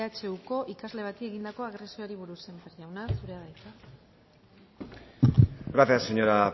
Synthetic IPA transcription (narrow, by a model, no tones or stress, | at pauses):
at͡ʃe̞wko̞ʔikazle̞β̞at̪ieɣ̞ind̪ako̞aɣɾe̞siooɾiβ̞uɾuse̞mpeɾʝawnasuɾe̞aðajt̪a | ɡɾaθiaseɲoɾa